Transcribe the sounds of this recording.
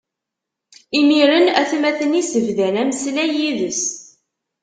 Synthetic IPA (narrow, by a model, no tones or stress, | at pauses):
imiɾənæθmæθənisəvðænæməslæjiðəs